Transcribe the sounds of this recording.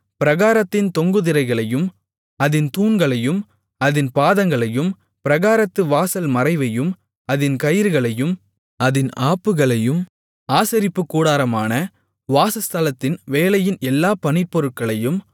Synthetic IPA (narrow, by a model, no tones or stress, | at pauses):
pɪɾɐɣaːɾɐt̪ːɪnt̪ɔŋɡɯðɪɾɐɪɣɐɭɐjɯm | ɐðɪnt̪uːnɡɐɭɐjɯm | ɐðɪnpaːðɐŋɡɐɭɐjɯm | pɪɾɐɣaːɾɐt̪ːɯʋaːsɐlmɐɾɐɪʋɐjɯm | ɐðɪnkɐjɪɾɯɣɐɭɐjɯm | ɐðɪnaːpːɯɣɐɭɐjɯm | aːsɐɾɪpːɯkːuːɽaːɾɐmaːnɐ | ʋaːsɐst̪ɐlɐt̪ːɪnʋeːlɐjɪnɛlːaːpɐnɪpːɔɾɯʈ̚kɐɭɐjɯm